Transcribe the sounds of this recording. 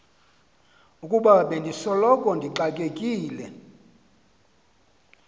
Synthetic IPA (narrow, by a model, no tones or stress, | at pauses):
ukʼuɓaɓendʱisɔlɔkʼɔndʱiǃakʼekʼiːlɛ